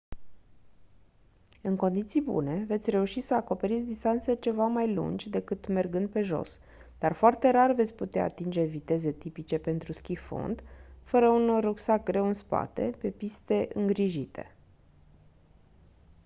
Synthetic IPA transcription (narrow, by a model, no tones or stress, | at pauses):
ɨŋko̞nd̪it̪sijbṵne̞ve̞t̪sʲre̞uʃisəako̞pe̞ɾit̪sʲd̪ist̪ant̪se̞t͡ʃe̞vamajlṵnd͡ʒʲd̪e̞kɨt̪me̞rɡɨnd̪̚pe̞ʒo̞̰s | d̪̥arfoart̪e̞ɾarve̞t̪sʲput̪ea̰ːt̪ind͡ʒe̞vit̪e̞ze̞t̪ipit͡ʃe̞pe̞nt̪ɾuskʲifo̰nd̪fəɾəunorːuksak̚ɡɾe̞wɨnspa̰t̪e̞pe̞pist̪e̞ʔɨŋɡɾiʒit̪ʰe̞